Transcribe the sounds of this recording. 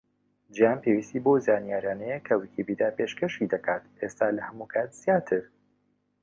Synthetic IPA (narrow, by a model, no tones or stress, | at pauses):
d͡ʒijaːnpewist̪iːbozaːnijaːɾijaːnɛjekʰɐwikʰibiːd̪aːpeʃkɐʃid̪ɐkʰaːt̪ʔest̪aːlɐhɐmukʰaːt̪z̥jaːt̪ʰɨɾ